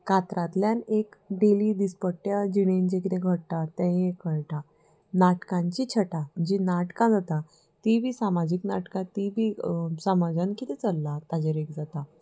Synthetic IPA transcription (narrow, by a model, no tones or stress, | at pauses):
kat̪ɾat̪ljanekɖeliːd̪ispəʈːjad͡ʑiɽ̃end͡ʑek̬it̪ẽɡʱəɽt̪at̪ẽɦẽkəɭʈa | naʈkãɲt͡ɕit͡ɕʰəʈad͡ʑinaʈkãd͡zat̪a | t̪ibʱiːsamad͡ʑiknaʈkãt̪ibʱiːsəmad͡ʑankit̪it͡səlːat̪ad͡ʑeɾekd͡zat̪a